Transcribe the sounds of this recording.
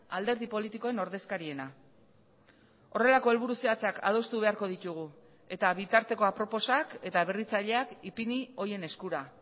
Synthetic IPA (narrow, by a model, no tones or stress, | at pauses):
ald̪e̞ɾðipo̞lit̪iko̞e̞no̞ɾðe̞skaɾie̞na | o̞re̞lako̞e̞lβuɾuseat͡sakʰa̰ð̞o̞st̪uβe̞aɾko̞ð̞it̪uɣ̞u | e̞t̪aβit̪aɾt̪e̞ko̞apɾo̞po̞sake̞t̪aβ̞erit͡saʎe̞akipinio̞je̞ne̞skuɾa